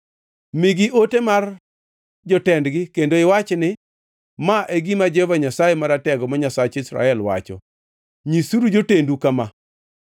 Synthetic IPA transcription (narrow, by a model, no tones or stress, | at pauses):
miɡɪʔotemar | d͡ʒɔtɛndɡɪkendoɪwat͡ʃnɪ | maʔeɡimad͡ʒevaɲasajemaɾatɛɡɔmaɲasat͡ʃisɾa̰ɛlwa̰t͡ʃɔ̰ | ɲisuɾud͡ʒotendukama